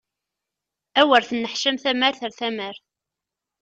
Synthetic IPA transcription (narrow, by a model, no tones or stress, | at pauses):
æwəɾθənːəħʃəmθæmæɾθəɾθæməɾ